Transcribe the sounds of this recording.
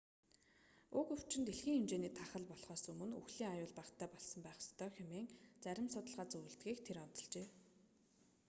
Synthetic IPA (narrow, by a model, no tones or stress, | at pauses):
ʊkɵw̥t͡ɕɪ̆nt̪eɮxiːŋemt͡ɕeːniːt̪ʰaχə̆ɮpɔɮχɔːsɵmɵ̆nṵxɮiːŋajʊːɮpaqt̪ʰæːpɔɮsɞ̆mpæːχst̪ʰœːxʲʊmeːŋt͡sæɾʲɪ̆msɔt̪ə̆ɮʁaːt͡suj̆ɮt̪ɡiːk̚t̪ʰeɾɔt̪ɞ̆ɮt͡ɕeː